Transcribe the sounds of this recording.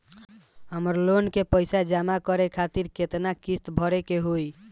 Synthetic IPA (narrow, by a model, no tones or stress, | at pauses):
ɦəməɾlonkepəjsad͡ʒamakəɾekʰat̪iɾket̪nakist̪bʱəɾekeɦoj